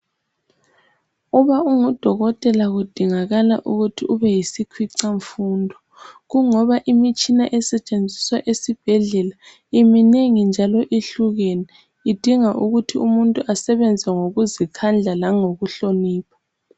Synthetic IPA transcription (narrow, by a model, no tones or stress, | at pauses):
uβauŋud̥ʱɔɣɔtʼɛlaɣud̥ʱiŋaɣala̰ʔuɣutʰiuβɛjisikʰwiǀaɱfuːndʱɔ | ɣuŋɔβaʔimit͡ʃʼinaʔɛsɛt͡ʃʼend͡zʱiswaʔesib̥ʱɛɮɛla | imineŋind͡ʒʱalɔʔiɬuɣeni | id̥ʱiŋaʔuɣutʰiumuntʼuʔasɛβɛnd͡zʱɛŋoɣuzikʰand͡ɮʱalaŋoɣuɬoniːpʰḁ